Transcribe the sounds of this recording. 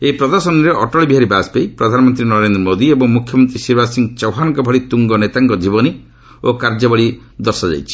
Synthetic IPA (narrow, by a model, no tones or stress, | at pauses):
eipɾɔd̪ɔɾsɔniɾeʔɔʈɔɭbiɦaɾibaspejpɾɔd̪ʱanɔmɔnt̪ɾinɔɾend̪ɾɔmod̪iebɔŋmukʰjɔmɔnt̪ɾisiɾbasiŋt͡ʃɔwɦanŋkɔbʱɔɽit̪uŋɡɔnet̪aŋkɔd͡ʒibɔni | okaɾd͡ʒɔbɔɭi | d̪ɔɾsɔd͡ʒa̰jt͡ʃʰi̥